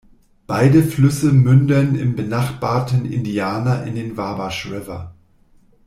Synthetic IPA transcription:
b̥aɪdəflʏsəmʏndɐnɪ̰mbənaχb̥aːɐtn̩ɪ̰ndiaːnɐʔɪ̰ndeːnvaːbaʃʁɪvɐ̰

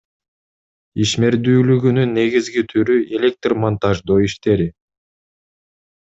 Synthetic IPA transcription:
iʃme̞ɾd̪yːlyɡynynːe̞ɡizɡit̪ʰyɾye̞lʲe̞k̚t̪rmont̪ɑʒd̪oːiʃt̪e̞ɾi

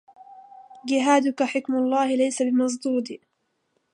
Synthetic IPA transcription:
d͡ʒɪɦaːd̪ʊkaħɪkmʊlˤːɑːhɪlajsabɪmɑs̬d̪uːd̪iː

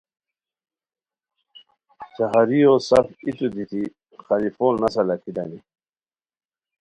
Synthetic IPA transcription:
t͡ɕaɦaɾiosafit̪ud̪it̪ʰi | xalifoːlnasalakʰid̪ani

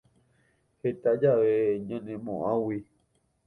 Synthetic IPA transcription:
het̪ad͡ʒaʋeɲãnẽmõ̰ʔãwi

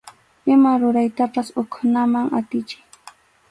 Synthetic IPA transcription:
ɪmaɾʊɾajt̪apasʊkʰʊnamaŋat̪ɪt͡ʃɪ̥j

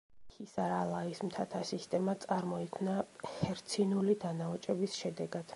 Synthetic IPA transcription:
hisaɾalˠaismt̪ʰat̪ʰasist̪ʼɛmat̪sʼaɾmɔikʰnahɛɾt̪sʰinulid̪anaɔt͡ʃʼɛbisʃɛd̪ɛɡad̪̥

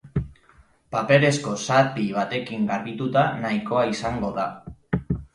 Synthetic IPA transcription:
pape̞ɾe̞sko̞sat̪iβ̞at̪e̞kiŋɡaɾβit̪ut̪anajko̞aisaŋɡo̞ða

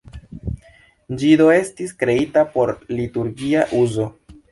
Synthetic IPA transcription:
nd͡ʒido̞e̞stiskɾe̞itapo̞ɾlituɾɡiaʔuzo̞

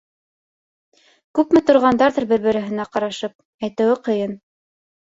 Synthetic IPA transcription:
kʉpmɘt̪ŏɾʁɑnd̪ɑɾðɤɾbɘ̆ɾbɘ̆ɾɘ̆ɦɘ̆næqɑɾɑʃɤp̚ | æjt̪ɘ̆wɘqɤ̆jɤn

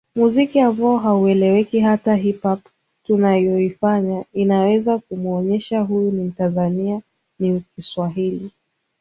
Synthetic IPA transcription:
muzikiambaɔɦauɛlɛwɛkiɦataɦipap | tunajɔifaɲainawɛzakumuɔɲɛʃaɦujunim̩tanzania | nikiswaɦili

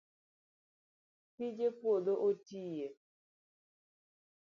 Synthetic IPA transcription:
tid͡ʒepwod̪oʔotije

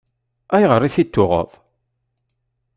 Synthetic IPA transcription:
æjʁərˤːiθit̪ːʊʁə̰ðˤ

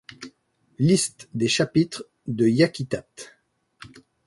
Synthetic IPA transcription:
list̪d̪eʃapit̪χ | d̪əjakʲit̪at̪

